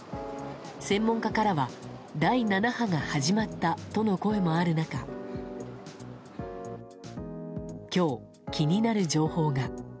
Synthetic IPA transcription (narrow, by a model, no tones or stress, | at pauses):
sẽ̞mːõ̞ŋkakaɾaβad̪ainanahaŋahaʑimat̪ːat̪o̞no̞ko̞e̞mo̞aɾɯ̟naka | kʲo̞ː | kʲiɲ̟inaɾɯ̟d͡ʑo̞ːho̞ːɡa